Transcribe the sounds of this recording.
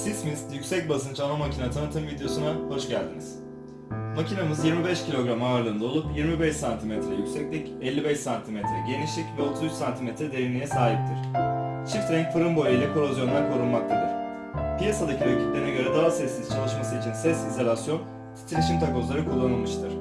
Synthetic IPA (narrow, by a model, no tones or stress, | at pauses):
sismist̪jycʲsɛc̚bas̬ɯnt͡ʃʰanamacʰinat̪ʰanɯt̪ʰɯmvid̪ejo̞sunaho̞ʃɟælʲd̪iniz̥ | macʰinamɯzjiɾmibɛʃcʰilʲo̞ɡɾamaːɾlˠɯːnd̪ao̞lˠupjiɾmibɛʃsant̪ʰimɛt̪ɾɛjycʲsɛclʲicɛlʲːibɛʃsant̪ʰimɛt̪ɾɛɟe̞niʃlʲicvɛo̞t̪ʰuzyt͡ʃsant̪ʰimɛt̪ɾɛd̪evinːʲijɛsaːɦip̚t̪ʰiɾ̥t͡ʃʰift̪ɾɛŋcfɯɾɯmbo̞jʲijlʲɛkʰo̞ɾozjo̞nd̪akʰo̞ɾunmak̚t̪ʰad̪ɯɾ̥ | pijasad̪acʰiøcʰi̥t̪lʲeinaɟøɾɛd̪aɦasɛsːiz̥t͡ʃʰalˠɯʃmasɯit͡ʃʰinsɛsizolʲasjo̞n | t̪ʰi̥t͡ʃ̪ʰiɾiʃimt̪ʰako̞zlˠaɾɯkʰulˠːanɯlˠmɯʃt̪ʰɯɾ̥